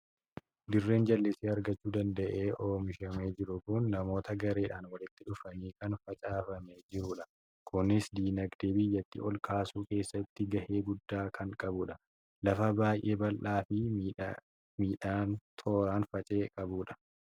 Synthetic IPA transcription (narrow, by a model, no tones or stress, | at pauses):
d̪ɪrːe̞ːnd͡ʒɐlːɪsiːɐɾɡɐt͡ʃːuːd̪ɐnd̪ɐʔe̞ːʔoːmɪʃɐme̞ːd͡ʒɪɾʊkʊnːɐmo̞ːt̪ɐɡɐɾe̞ːᶑaːnwɐlɪt̪ːɪᶑʊfɐniːkɐnfɐt͡ʃʼaːfɐmed͡ʒɪɾʊᶑɐ | kʊnɪsd̪iːnɐɡd̪eːbɪjːɐt̪ːḭʔɔlkaːsuːke̞ːsːɐt̪ːɪɡɐhe̞ːɡʊd̪ːaːkʰɐŋkʼɐbʊᶑɐ | lɐfɐbaːjʔe̞ːbɐlʔaːfɪ | miːᶑaːnt̪ʰo̞ːɾaːnfɐt͡ʃʼe̞ːkʼɐbuːᶑɐ̥